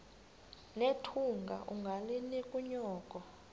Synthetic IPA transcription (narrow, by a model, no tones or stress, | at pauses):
netʰuŋɡʱa̰ʔuŋɡʱalinikʼuɲɔːkʼɔ